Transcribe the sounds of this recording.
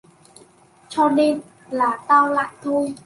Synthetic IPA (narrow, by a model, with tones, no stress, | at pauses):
t͡ɕɔ˧ne˧n | laː˨˩t̪aː˧wla̰ː˧˨jt̪ʰo˧j